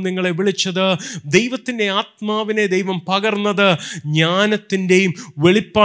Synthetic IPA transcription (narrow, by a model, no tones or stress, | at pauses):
niŋːɐɭeʋiɭit͡ɕːɐðɨd̪e̞jʋɐt̪ːinde̞aːt̪̚maːʋine̞d̪ejʋɐmpɐɡɐrnːɐðɨɲaːnɐt̪ːinde̞jumʋe̞ɭipːaː